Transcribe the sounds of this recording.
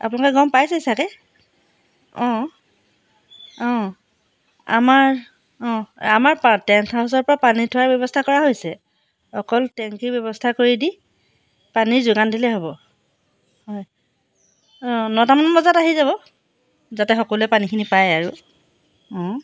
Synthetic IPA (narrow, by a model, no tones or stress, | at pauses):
a̰punɔkɔɡɔmpajsɛisakɛ | ɔ̃ | ɔ̃ | a̰maɹ | ɔ̃amaɹpatɛŋtʰaɦɔs̬ɔɹpɔɹapanitʰʊwaɹbjɔbɔstʰakɔɹaɦojsɛ | ɔkɔltɛŋkibɔbɔstʰakoɹidi | paniɹzʊɡandilɛɦobɔ | hɔj | ɔ̃nɔtamanɔmɔzataɦizaβɔ | zatɛxɔkɔluɛpanikʰinipajaɹu | ɔ̃